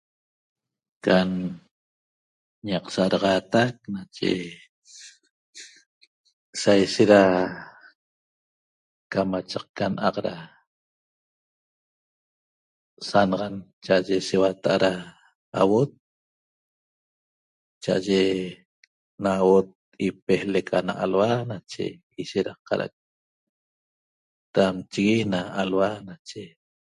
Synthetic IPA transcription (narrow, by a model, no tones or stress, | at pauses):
kan | ɲɑqsaʔaɾɑʁɑːt̪ak̚nat͡ʃḛ | sajʃet̪ɾa | kamat͡ʃaq̚kanʔaqɾa | sanɑʁɑnt͡ʃaʔaʒesewat̪aʔaɾaː | wot̪̚ | t͡ʃaʔaʒe | nawot̪̚ | ipehlekʰanaʔalwanat͡ʃḛ | iʃeɾaqɑ̰ɾa̰a̰k̚ | t̪amt͡ʃiɣinaːlwanat͡ʃe